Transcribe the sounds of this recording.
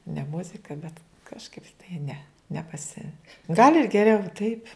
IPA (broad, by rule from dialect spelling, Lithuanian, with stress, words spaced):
nʲɛ ˈmʊzʲɪkɐ bʲɛt kɐʃˈkɐɪp tɐɪ ˈnʲɛ nʲɛpɐˈsʲɪ ɡɐlʲ ɪr ɡʲɛˈrʲɛʊ tɐɪpʲ